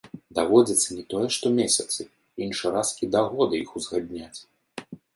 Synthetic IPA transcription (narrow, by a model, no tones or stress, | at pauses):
d̪avɔd͡zʲiɐt̪sːɐnʲɛt̪ɔjɛʂt̪ɔmʲesʲɐt̪sɨ | inʂɨɾaskʲid̪aɣɔd̪ɨixuzɣad̪ʲnʲat͡sʲ